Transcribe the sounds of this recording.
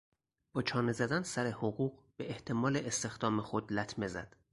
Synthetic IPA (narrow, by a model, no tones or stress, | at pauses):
b̥ɒːt͡ʃʰɒːne̞zæd̪ænsæɾehoɣuːɢb̥eʔeht̪ʰe̞mɒːleʔest̪e̞xd̪̥ɒːmexo̞d̪læt̪ʰme̞zæ̰d̪̥